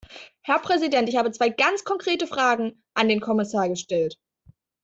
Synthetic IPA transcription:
hɛɐpʁ̥ɛzidɛntɪçhaːbət͡sv̥aɪɡ̥ant͡skʰɔŋkʁ̥eːtəfʁ̥aːɡŋ̩ | ʔandeːnkʰɔmɪsaːɐɡəʃtɛlt

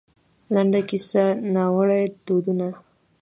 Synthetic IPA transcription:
laɳɖakisanawəɽajd̪od̪una

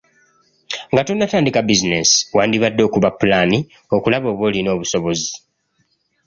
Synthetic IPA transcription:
ŋɡatunːataːndikabizinesi̥waːndiβadːo̞ːkuβapːulaːni | o̞kulaβo̞ːβwo̞ːlino̞ːβuso̞βo̞zi̥

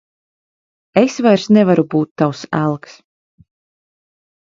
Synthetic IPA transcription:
esvajɾsnɛvaɾubuːt̪ːawsæ̰lˠks

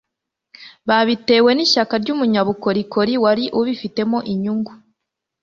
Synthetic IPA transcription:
βaβite̞ːwe̞niʃakaɾɟuːmuɲaβuko̞ɾiko̞ɾiwaɾiʔuβifite̞moʔiɲuŋɡu

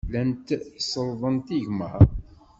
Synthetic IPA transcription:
lænt̪səlðˤənt̪iʝmə̰

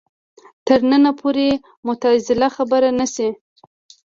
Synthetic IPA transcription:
t̪əɾnənapʰoɾe | mʊt̪azɪlaxabəɾanasi

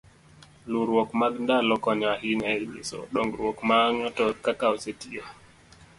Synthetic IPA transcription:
luɾwɔkmaɡndalɔkɔɲahinaɛɓḛsɔ̰ɗɔŋɡɾwɔkmaŋɔtɔkakaɔsetija

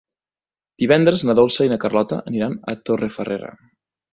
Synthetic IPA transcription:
d̪̥iβ̞ɛnd̪ɾəznəðolˠsəinəkərlɔt̪ə̰ʔːniɾanə̰t̪orefəreɾə̰

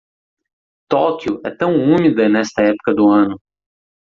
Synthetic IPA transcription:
t̪ɔkjʊʔɛ̰t̪ɐ̃w̃ũmid̪ɐnɛst̪ɐɛpʊ̥kɐd̪ʊɐ̃nʊ

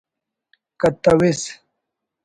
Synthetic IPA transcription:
kɐt̪ɐwis

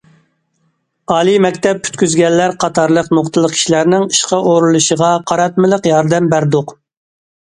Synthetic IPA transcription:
ɑːlˠimɛkʲt̪ɛp̚kʲʰy̥t̪kʲyzɡʲɛnːæɾqʰɑt̪ʰɑɾlˠəqnoχt̪ɨlˠəqkʰi̥ʃilæɾnɪŋiʃqɑʔoɾulˠuʃəʁɑqʰɑɾɑt̪̚mɨlˠəqjɑɾd̪ɛmbæɾd̪ʊq

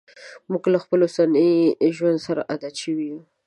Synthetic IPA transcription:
muɡlaxpəlosaniʒwand̪saɾa̰ʔad̪aʃəwiju

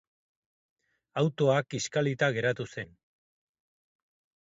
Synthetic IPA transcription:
awt̪oakiskalit̪aɣe̞ɾat̪use̞n

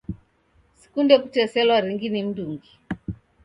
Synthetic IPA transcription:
si̥kundɛkutɛsɛlwaɾiŋɡinim̩duŋɡi

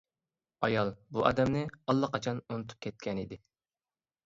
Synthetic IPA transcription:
ɑjɑlˠbuʔɑ̰d̪ɛmnɪɑlˠːɑqʰɑt͡ʃʰɑnunɨt̪ʰu̥p̚kʲʰɛt̪̚kʲɛnid̪ɪ

